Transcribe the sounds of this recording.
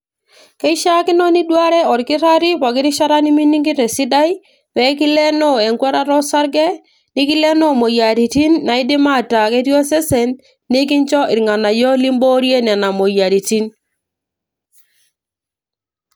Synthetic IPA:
kɛ˦i˦ʃa˦kɪ˦nɔ˦ni˦dwa˦ɾɛ˦ɔ˨ɾkɪ˦ɾa˦ɾi˦pa˨kɪ˦ɾi˦ʃa˦ɾa˦ni˦mi˦ni˦ŋɡi˦ɾɛ˨si˦da˦j | pɛ˨˦ki˦lɛ˦nɔ˦ɛ˨ŋkwɛ˦ɾa˦ɾɔ˦sa˦ɾɡɛ˦ | ni˦ki˦lɛ˦nɔ˦˨mo˨ja˨ɾi˨ti˦nːa˨i˦dɪ˦ma˦˨ta˨ke˦ɾjɔ˦sɛ˦sɛ˨nː | i˦k̬ɪ˦ɲt͡ʃɔ˦ʔɪ˨ɾŋa˨na˨jɔ˦li˦mbo˦ɾje˦nɛ˨na˨mo˨ja˨ɾi˨ti˦n

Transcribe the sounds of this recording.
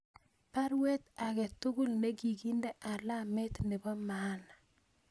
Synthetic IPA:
pa˦ɾwe˦t̪a˨ɡɛ˨tʊ˦ɡu˦˨lne˦ɡi˨ɡi˦ndɛ˦ʔa˨la˦me˦t̪nɪ˨bɔ˦ma˦na

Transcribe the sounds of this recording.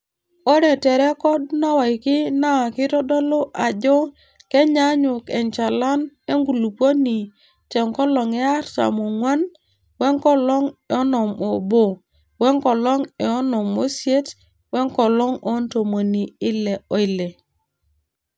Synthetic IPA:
ɔ˦ɾɛ˨tɛ˨ɾɛ˦kɔ˦dna˦wa˨i˨kɪ˦na˦˨kɪ˦tɔ˦dɔ˦lo˦ʔa˨d͡ʒɔ˦ | kɛ˦ɲa˦ɲʊ˨kɛ˨nt͡ʃa˨la˦ne˦ŋɡu˨lu˨po˦ni˨ | t͡ʃɛ˨ŋkɔ˦lɔ˨ŋɛ˦a˦ɾta̰˨mo˨ŋwa˦n | wɛ˦ŋkɔ˦lɔ˦ŋɛ˨ɔ˦nɔ˨mɔ˨bo˨ | wɛ˦ŋkɔ˨lɔ˦ŋɛ˨ɔ˦nɔ˨mo˦sje˦t | wɛ˦ŋkɔ˨lɔ˦ŋɔ˦nto˨mo˨ni˨ɪ˦lɛ˨ɔ˨˦ɪ˦lɛ˨

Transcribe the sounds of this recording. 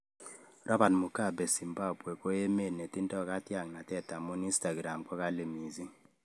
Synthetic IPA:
rɔ˦ba˨tmʊ˨ka˦˨bɛ˨si˨mba˦bwe˨ko˦je˦me˦˨ne˨ti˦ntɔ˦ka˦tja˨ŋna˨tɛ˦˨ta˨mu˦ni˦nsta˨ɡɾa˨mkɔ˦ka˦le˨mi˨zi˦

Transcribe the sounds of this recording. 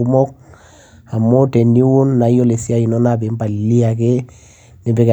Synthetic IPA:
u˦mɔ˦k̚ | a˨mːo˦te˨nːi˦wu˦nːa˨˦jo˦le˨si˦a˦i˨nɔ˦na˦˨be˨˦mba˨li˦a˨ke˦ | nɪ˨be˨k

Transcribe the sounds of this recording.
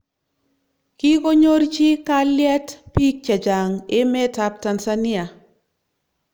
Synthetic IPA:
ki˦ko˦ɲo˦ɾt͡ʃi˦ka˦ljɛ˦tpi˦k̚t͡ʃa˨d͡ʒa˨ŋɪ˦mɛ˦ta˦p̚ta˨nsani˦a˨

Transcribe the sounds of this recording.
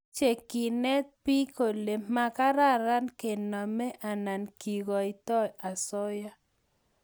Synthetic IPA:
t͡ʃe˨ki˨nɛ˦t̪̚pi˦ko˨le˨mma˦ka˦ɾa˦ɾa˦nke˨nɔ˨mɛ˦ʔa˨na˨nki˨ɡɔ˨i˨t̪ɔ˦ja˨sɔ˦ja˦

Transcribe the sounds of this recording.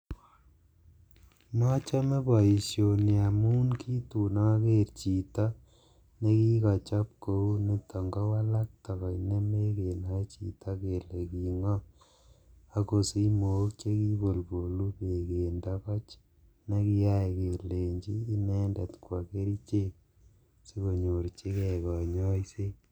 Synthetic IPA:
mɔ˦t͡ʃɔ˦me˦bɔ˨i˨sjo˨ni˨a˨mu˦nkʰi˦tu˨nɔ˦ke˦ɾt͡ʃi˨tɔ˦ | ne˦ki˦kɔ˨t͡ʃɔ˦p̚ko˦u˦ni˨tɔ˨ŋɡɔ˦wa˦la˦k̚tɔ˨kɔ˨jne˦me˦ke˨nɔ˨˦t͡ʃḭ˨tʰɔ˦ke˨le˨ki˨ŋɔ˦ | a˦ko˨si˦mo˨˦kt͡ʃe˦ki˦bo˨lpo˨lu˦pe˨ke˨ndɔ˦kɔ˦t͡ʃ | ne˦ki˦ja˦˨ke˨le˨ɲt͡ʃiː˦nɛ˦nda˨tkwa˨ke˦ɾi˦t͡ʃe˦k | se˦ko˨ɲo˨ɾt͡ʃi˦kɛ˨kɔ˨ɲɔ˦i˦se˦

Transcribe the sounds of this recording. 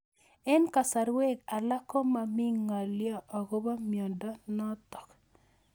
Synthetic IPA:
ɛ˦nka˨sa˨ɾwe˦ɡa˨la˦kɔ˦ma˨mi˦ŋːa˨ljɔ˨ʔɔ˨ko˦ba˦mjɔ˨ndɔ˦nɔ˦t̪ɔ̥˨k

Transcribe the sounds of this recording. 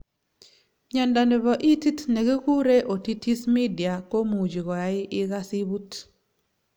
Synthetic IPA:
ɲa˨nda˨nɪ˨βɔ˨ʔi˦ti˦tne˨ɡe˦ku˦ɾe˦ʔo˨ti˦ti˦smi˦di˨a˨ko˦mu˨d͡ʒi˨ɣɔ˨ja˨ɪ˦ʔɪ˦ɣa˦si˦βu˦t

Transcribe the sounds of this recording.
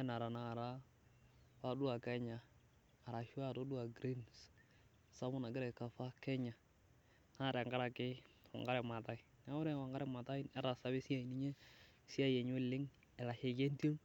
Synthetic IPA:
a˦na˨ɾa˨naː˦˨ɾa˦ | fa˦dʊ˦a˨kɛ˦ɲaː˨ | ɾa˨ʃʊ˦a˦to˦du˦a˨ɡɾi˦ns | sa˦mʊ˦na˨ɡɪ˦ɾɛ˨ka˨fa˦kɛ˦ɲa˨ | na˦ɾɛ˨ŋɡa˦ɾa˨kɪ˦wa̰˨ŋɡa˦ɾɛ˨ma˨ta˦ɪ˨na˦ʊ˦ɾɛ˦˨wa˨ŋɡa˦ɾɛ˦ma˨ta˦i˦nɛ˦ɾa˨sa˦bɪ˦sa˦i˨ni˦ɲe˦si˦a˦je˨ɲ˦e˦lɪ˦ŋ | ɛ˨la˨ʃe˨ke˦nto˦ŋ

